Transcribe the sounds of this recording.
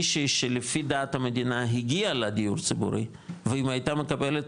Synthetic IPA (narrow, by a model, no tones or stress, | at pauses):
ʃiʃelefid̪aːt̪hamed̪inaɦiɡialed̪ijuʁt͡sibṵɾḭ | veimhajt̪ame̞kabelet